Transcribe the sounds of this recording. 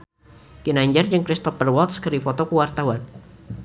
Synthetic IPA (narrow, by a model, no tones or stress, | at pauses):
kinaɲd͡ʒard͡ʒɨŋkɾist̪ɔfərwɔlt̪skɨɾifɔt̪ɔkuwart̪awan